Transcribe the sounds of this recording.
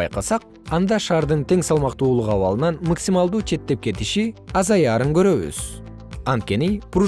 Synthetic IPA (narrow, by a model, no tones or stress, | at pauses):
jqɑsɑq̚ | ɑnd̪ɑʃɑːɾd̪ɯnt̪ʰe̞ŋsɑlˠmɑqt̪uːlˠuqɑβɑ̰lˠɯnɑnmaksimɑlˠd̪uːt͡ʃʰe̞t̪ːe̞p̚ke̞t̪iʃiɑzɑjɑːɾɯŋɡø̞ɾø̞βy̰z̥ | ɑnt̪̚kʲe̞nipru